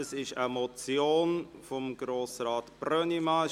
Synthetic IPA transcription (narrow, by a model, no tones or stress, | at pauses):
əsɪʃəmɔt͡sjoːnfɔmɡɾoːsraːtb̥rœnima